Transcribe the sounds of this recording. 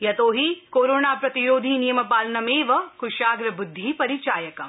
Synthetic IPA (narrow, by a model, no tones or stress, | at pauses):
jɐt̪oːɦikoːɾoːnaːpɾɐt̪iɾoːd̪ʱiːnijɐmɐpaːlɐnɐmeːʋɐkʊʃaːɡɾɐbʊd̪ʱːiːpɐɾit͡ʃaːjɐkɐm